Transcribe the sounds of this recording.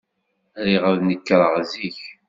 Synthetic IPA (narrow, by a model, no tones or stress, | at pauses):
ɾiʁəvnəkːɾˤəʁziç